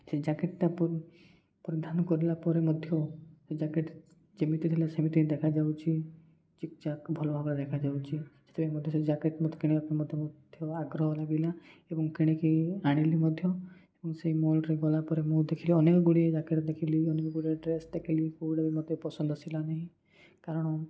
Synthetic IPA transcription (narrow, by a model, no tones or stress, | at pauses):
sed͡ʒakeʈʈapɔɾ | pɔɾid̪ʱanɔkɔɾilapɔɾemɔd̪ʱjɔsed͡ʒakeʈ | d͡ʒemit̪it̪ʰilasemit̪iid̪ekʰad͡ʒawt͡ʃʰi | t͡ʃik̚t͡ʃakbʱɔlɔbʱabɾad̪ekʰad͡ʒawt͡ʃʰid͡ʒe̥t̪ʰepaimɔd̪ʱjɔsed͡ʒakeʈmɔd̪ʱjkiɽekapnemɔd̪ʱjɔmɔd̪ʱjɔaɡɾɔɦɔlaɡilaebɔŋkiɽ̃ekiaɽ̃elimɔd̪ʱjɔ | ebɔŋseimolɾeɡɔlapɔɾemũd̪ekʰiliɔnekɔɡuɽied͡ʒakeɾɔd̪ekʰiliɔnekɔɡuɽieɖɾesd̪ekʰilikubiɽabimɔd̪ʱjɔpɔsɔnd̪ʱɔsilanaɦĩ | kaɾɔɽ̃ɔ